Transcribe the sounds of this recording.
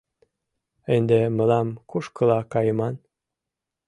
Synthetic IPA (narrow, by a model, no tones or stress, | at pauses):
ənd̪eməlɑmkuʃkəlɑkɑjəmɑn